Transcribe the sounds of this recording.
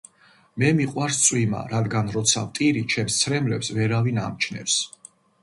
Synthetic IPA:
mɛmiqʼwaɾst̪sʼwima̰ɾad̪ɡanɾɔt̪sʰavt̪ʼiɾit͡ʃʰɛmst̪sʰɾɛmlɛpsvɛɾavina̰mt͡ʃʰnɛ̰ps

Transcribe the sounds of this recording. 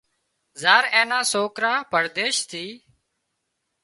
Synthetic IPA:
zaːɾẽːnaːsoːkɾaːpəɾd̪eːʃt̪ʰiː

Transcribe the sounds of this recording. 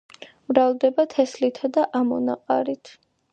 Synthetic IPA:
bɾalˠd̪ɛbat̪ʰɛslit̪ʰad̪aʔamɔna̰qʼaɾit̪ʰ

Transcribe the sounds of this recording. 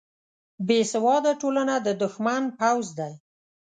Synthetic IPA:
besawɑd̪aʈolanad̪əd̪ʊxmanpawzd̪aj

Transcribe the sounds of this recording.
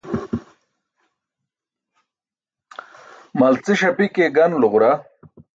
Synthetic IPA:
mɐlt͡siɕɐpikeɡɐnluʁɾa

